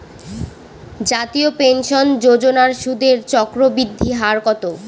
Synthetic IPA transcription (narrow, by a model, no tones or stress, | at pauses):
d͡ʑat̪iopenʃond͡ʑod͡ʑonaɾʃud̪ʱeɾt͡ɕɔkɾobid̪ʱːiɦaɾkɔt̪o